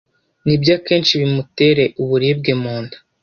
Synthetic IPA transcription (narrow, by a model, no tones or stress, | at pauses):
nibjaːke̞ːnt͡ʃiβimute̞ɾe̞ʔuβuɾib̚ɡemuːndḁ